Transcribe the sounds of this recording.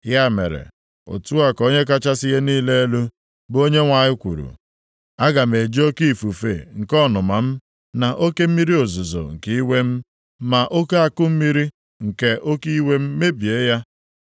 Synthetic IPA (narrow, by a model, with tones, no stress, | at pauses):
ja˦˨mḛ˨ɾḛ˨ | o̰˨tu˦a˦ko˦ɲe˦k̬a˦t͡ʃa˦sɪ˦ɣe˦niː˦le˦e˦lu˦ | bo˦ɲe˦ŋʷa˨ɲɪ˦kʷṵ˨ɾṵ˨ | a˦ɡa˨m̩e˨d͡ʒi˦o˦ki˦i˨fu˨fḛ˨ŋ̩˨kɔ˦˨nʊ˨ma˨m̩˦ | na˨ʔo˦ke˦m̩˦mi˦ɾi˦o˨zʊ˨zo̰˨ŋ̩˨ki˦i˦we˦m̩˦ | ma˨ʔo˦ke˦a˨kʊ˦m̩˦mi˦ɾi˦ | ŋ̩˨ke˦ʔo˦ki˦i˦we˦m̩˦me˦bje˨˦ja˦